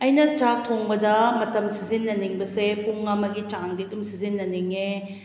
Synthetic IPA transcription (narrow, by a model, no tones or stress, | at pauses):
ɐjnɐt͡ʃatʰoŋbɐdɐmɐtɐmsizinːɐniŋbɐsepuŋɐmɐɡit͡ʃaŋɡiɐdumsizinːɐniŋe